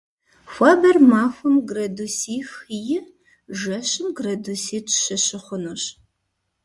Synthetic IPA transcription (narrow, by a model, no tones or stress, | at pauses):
xʷɑːbɐrmaːxʷʊmɡrɐdusiːxjɪ | ʒɐɕɨmɡrɐdusiːtʰɕɐɕɨχʷʊnuɕ